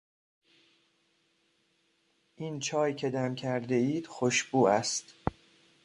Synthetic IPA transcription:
ʔint͡ʃʰɒːjcʰe̞d̪æmcʰæɾd̪e̞iːd̪̥xoʃbuːæst̪

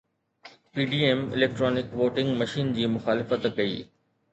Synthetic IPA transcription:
piːɖiːemɪ̰leːk̚ʈɾɔːnɪkʋoːʈɪ̃ŋɡmɐʃiːnd͡ʑiːmʊxaːlɪfət̪kɐḭː

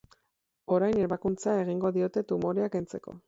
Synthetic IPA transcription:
o̞ɾajne̞ɾβakunt͡sae̞ɣ̞iŋɡo̞ðio̞t̪e̞t̪umo̞ɾe̞akent͡se̞ko̞̰

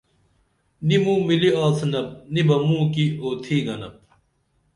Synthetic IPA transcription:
nimũːmiliaːsnɐp̚nibɐmũːkioːt̪ʰiːɡɐnɐp̚

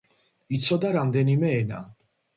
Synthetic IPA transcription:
it̪sʰɔd̪aɾamd̪ɛnimɛːna̰

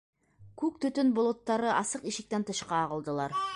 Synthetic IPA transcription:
kʉk̚t̪ɵ̆t̪ɵnbolˠot̪ːɑɾɤʔɑsɤqiʃɪ̆k̚t̪ænt̪ʰɤ̆ʃqɑːʁɤ̆lˠd̪ɤ̆lˠɑɾ

